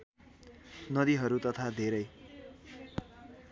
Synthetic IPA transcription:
nʌd̪iɦʌɾut̪ʌt̪ʰad̪ʱeɾʌj

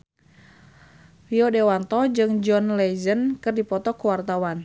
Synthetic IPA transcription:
fiodewant̪ɔd͡ʒɨŋd͡ʒɔnlɛzənkɨrdipɔt̪ɔkuwart̪awan

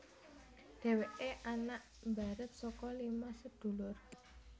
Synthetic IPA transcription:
ɖ̪̥e̤weʔeʔanaʔ | mba̤ɾət̪̚sɔkɔlimasəd̪̥o̤lʊr

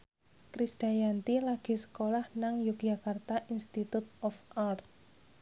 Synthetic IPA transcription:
kɾisd̪̥a̤jant̪ilaɡ̥i̤sə̥kolahnaŋjuk̚ʒ̥akart̪aʔinst̪it̪ut̪̚ɔfart̪̚

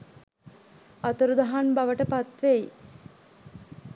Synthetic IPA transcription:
at̪əɾud̪aɦanbaʋəʈəpat̪ʋeji

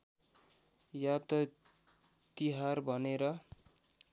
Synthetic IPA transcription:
jat̪ʌ | t̪iɦarbʱʌneɾʌ

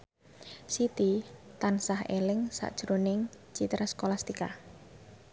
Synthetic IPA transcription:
sit̪it̪ansaɦelɪŋsa̰ʔd̥ʒ̥ɾonɪŋ | t͡ʃit̪ɾaskolast̪ika

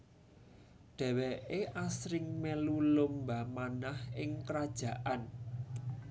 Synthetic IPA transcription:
ɖ̪̥ɛ̤wɛʔeʔasɾɪŋmelulomba̤manahɪŋkəɾad̥ʒ̥ä̤ʔan

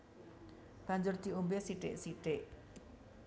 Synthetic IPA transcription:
b̥aɲd͡ʒʊrt̪iumbesiʈḛʔsiʈeʔ

